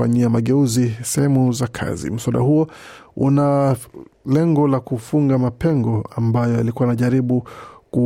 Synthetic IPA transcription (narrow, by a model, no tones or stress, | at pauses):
a̰ɲiamaɠɛuzisɛhɛmuzakʰa̰zḭm̩swaɗa̰huɔ | ṵna | lɛŋɡɔlakufuŋɡamapɛŋɡɔambajɔja̰likuwanaʄaɾiɓuku